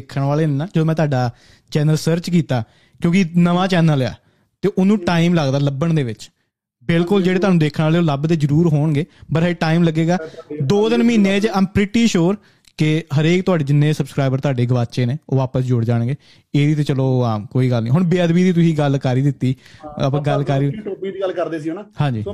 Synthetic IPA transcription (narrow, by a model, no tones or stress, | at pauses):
kʰəɳʋaːleːnnaːd͡ʒəd̪oːmɛ̃ːt̪ʊaːɖaː | t͡ʃɛːnəlsəɾt͡ʃkiːt̪aː | kjõːkɪinəʋãːt͡ʃɛːnəla̰ː | t̪eːʔʊnũːʈaːimləɡd̪aːləbəɳd̪eːʋɪt͡ʃ | bɪlkʊld͡ʒeːɽeːt̪ʊaːnũːd̪eːkʰəɳaːleːoːləbd̪eːzəɾuːɾɦoːɳɡeːbəɾɦʈaːimləɡeːɡaːd̪oːd̪ɪnmiːnẽːt͡ʃəpɾɪʈiːʃoːɾ | kɪɦəɾeːkt̪ʊaːɖeːd͡ʒɪnːeːsəbskɾaːɪbəɾt̪ʊɦaːɖeːɡəʋaːt͡ʃeːneːoːʋaːpəsd͡ʒʊɽd͡ʒaːɳ̃ɡeː | eːd̪iːt̪eːt͡ʃəloːaːmkoːiːɡəlnĩːɦʊɳbeːəd̪biːd̪iːt̪ʊsĩːɡəlkəɾiːd̪ɪt̪ːiːəpãːɡəlkaɾioːbiːiːɡəlkəɾd̪eːsiːnaːhãːɲd͡ʒiː